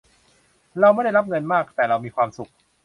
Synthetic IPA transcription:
ɾa˧wma˥˩jda˥˩jɾla˦˥p̚ŋɤ˧nmaː˥˩k̚t̪ɛː˨˩ɾa˧wmiː˧kʰwaː˧msu˨˩k̚

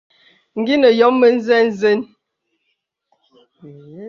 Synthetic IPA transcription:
ŋ̩˨ɡi˦nə˨jɔ˨˦mːə˦n̩˦zɛ˦n̩˦ze˦n

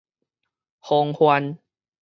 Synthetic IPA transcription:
ho˧ŋhwa˧n

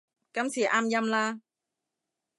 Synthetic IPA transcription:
ka˧msi˨˩˦ʔa˧mja˧mlaː˧

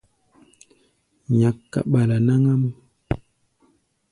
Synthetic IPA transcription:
ɲa˨kːa̰˨ɓa˨la˨na˦ŋa˦mu˦

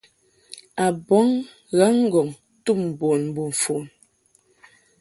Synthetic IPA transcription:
a˨bɔ˨˦ŋ | ɣa˨˦ŋ˦ɡɔ˨ŋ | tu˦˨m̩˨bo˨nm̩˨bu˨ɱ̩˨fu˨n

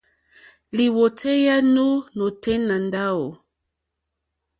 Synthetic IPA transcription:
li˨wo˨tʰe˦ja˦nu˦nɔ˨tɛ˦na˨nda˦wo˨

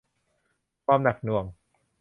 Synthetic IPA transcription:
pʰɔː˧mna˨˩k̚nu˨˩əŋ

